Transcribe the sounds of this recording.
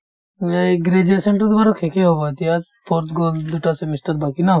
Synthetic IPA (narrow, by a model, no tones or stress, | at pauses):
meɡɾed͡ʒasẽɳʈəɾt̪obaɾokʰekeɦobat̪ia | pʰoɾt̪ʰɡoːld̪uʈasemisʈəɾbakina